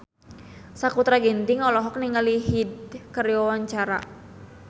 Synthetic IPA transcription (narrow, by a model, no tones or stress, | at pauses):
sakut̪ɾaɡɛnt̪iŋɔlɔɦɔk̚niŋaliɦid̪̚kəɾjɔwaɲt͡ʃaɾa̰